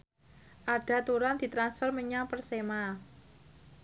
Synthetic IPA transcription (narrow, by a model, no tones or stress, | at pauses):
ʔaɖ̥a̤t̪uɾand̪̥i̤t̪ɾansfərməɲaŋpərsema